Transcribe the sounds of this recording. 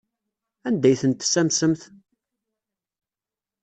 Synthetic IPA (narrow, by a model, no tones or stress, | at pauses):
ænd̪æjθənt̪ːsːæmsəmθ